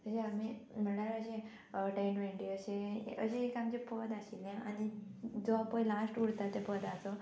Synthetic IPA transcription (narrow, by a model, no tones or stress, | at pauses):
əɕẽamim̤əɳɽjaɾəɕẽ | ʈajnʋeɳʈiəɕẽə̰ɕẽːkamt͡ɕepəd̪aɕiljẽa̰nid͡zɔapə̃jlasʈuɽt̪at̪ːepəd̪at͡so